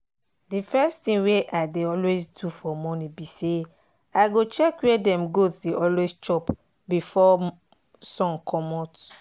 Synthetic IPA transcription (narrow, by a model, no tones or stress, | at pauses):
difɛstĩŋweʔaɪdeɔlwezdufɔmɔnibise | aɡot͡ʃɛkwedɛ̃mɡosdeʔɔlwest͡ʃɔp | bifɔ | sɔ̃nkʰɔmɔt